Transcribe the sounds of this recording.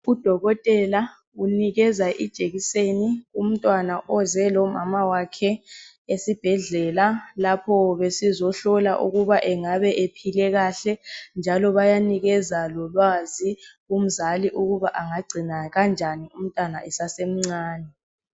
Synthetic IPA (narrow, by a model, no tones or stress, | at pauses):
ud̥ʱɔɣɔtʼɛla | uniɣɛzaʔid̥ʒ̥ʱeɣisenium̩tʼwanaʔɔzɛlɔma̰mawakʰɛ | esib̥ʱɛɮɛlalapʰɔβesizɔɬɔla̰ʔṵɣuβaʔɛŋaβɛʔepʰilɛɣaːɬɛnd͡ʒʱalɔβajaniɣɛzalɔlwaziɣum̩zaliʔuɣuβaʔaŋaɡ͡ǀʱinaɣand͡ʒʱanium̩tʼwanaʔɛsasem̩ŋ͡ǀaːnɛ